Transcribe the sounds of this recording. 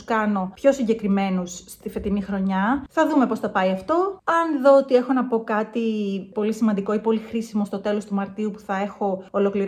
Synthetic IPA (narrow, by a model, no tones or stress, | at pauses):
kɐno̞pço̞siɲɟe̞kɾime̞nusːt̪ife̞t̪inixɾo̞ɲɐθɐðume̞po̞sθɐpɐiɐft̪o̞ɐnðo̞ot̪ie̞xo̞nɐpo̞kɐt̪ipo̞lisimɐnd̪iko̞ipo̞lixɾisimo̞st̪o̞t̪e̞lo̞st̪umɐɾt̪iupu̥θɐe̞xo̞ːlo̞kliɾ